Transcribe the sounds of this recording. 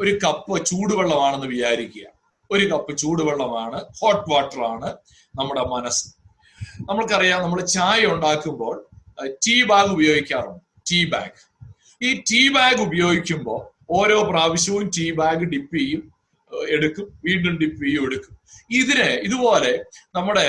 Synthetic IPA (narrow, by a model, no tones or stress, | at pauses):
o̞ɾukɐpːɨt͡ɕuːɽuʋeɭːɐmaːɳe̞nːɨʋit͡ɕaːɾikʲːuja̰ːm | o̞ɾukɐpːɨt͡ɕuːɽuʋeɭːɐmaːɳɨho̞ːʈːʋaːʈːɐraːɳɨ | nɐmːuɽe̞mɐnɐsɨ̥ | nɐmːɐɭkɐrijaːnɐmːɐɽet͡ɕaːjuɳɖaːkːumbo̞ːɭtiːbaːŋɡubɐjo̞ːɡikʲːaːrɐɳːu | tiːba̰ːŋɡɨ | iːtiːbaːŋɡubɐjo̞ːɡikʲːumbo̞̰ː | o̞ːɾo̞ːpraːʋiɕjɐʋumtiːbaːŋɡɨɖipːijum | eɽukːumʋiːɳɖumɖipːijumeɽukːumiðineiðubo̞ːle̞nɐmːuɽe̞